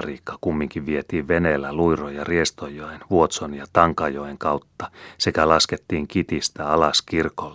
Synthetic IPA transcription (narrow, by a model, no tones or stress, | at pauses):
riːkːɑ̥kumːiŋkiʋʋiet̪iːʋʋeneːlːæluirojɑriest̪ojoenʋuot̪sonjɑt̪ɑŋkɑjoeŋkɑwt̪ːɑ̥sekælɑsket̪ːiːŋkit̪ist̪æɑlɑskirkolː